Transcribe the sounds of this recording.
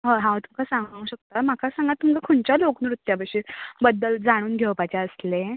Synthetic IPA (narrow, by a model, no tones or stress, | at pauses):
ɦəɦãʋt̪umkʰasãŋɡ̃ũːɕək̚t̪am̤akʰasãŋɡat̪ːumkakʰoɳt͡ɕjaloknɾut̪ːjabəɕebəd̪ːəld͡zaɽ̃uːnɡʱewpat͡ɕeəsle